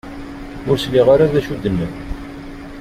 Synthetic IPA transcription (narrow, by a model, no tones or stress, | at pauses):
ʊɾsliʁaɾaðæʃud̪ːənːən